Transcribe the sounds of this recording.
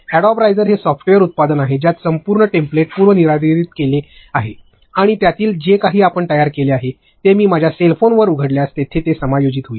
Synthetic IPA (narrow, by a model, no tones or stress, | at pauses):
ɛɽɔbɾajd͡zəɾɦesɔfʈejəɾut̪̚pad̪ənaɦed͡ʑjat̪səmpuːɾɳəʈempleʈ̚puɾʋəniɾad̪iɾiːt̪̚kele | aɦe | aɽ̃it̪jat̪iːld͡ʑekaɦiːapəɳt̪əjaɾkeleaɦe | t̪emiːmad͡ʑʱjaselfonʋəɾuɡʱəɽljast̪et̪ʰet̪esəmajod͡ʑit̪ɦoiː